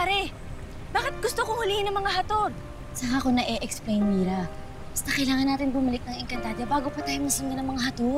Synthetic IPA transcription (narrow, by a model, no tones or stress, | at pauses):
paːɾɛ | baːkɪt̪̚ɡʊst̪okoŋhʊlɪhɪnɐŋmɐŋahɐt̪od̪ | sɐŋaːkonɐʔɛʔɛksplejnmiːɾɐ | bɐst̪ɐkɐjlaːŋɐnaːt̪ɪnbʊmɐlɪk̚nɐŋɛŋkɐnt̪aːd̪ɛbaːɡo̞pɐt̪aːjomɐsɪnɲɐnɐŋmɐŋaɦɐt̪o